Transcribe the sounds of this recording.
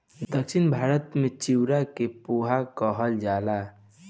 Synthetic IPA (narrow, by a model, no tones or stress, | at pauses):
d̪əkʃɪnbʱaːɾət̪mẽt͡ʃiwɾakepuɦakɔɦəld͡ʒaːla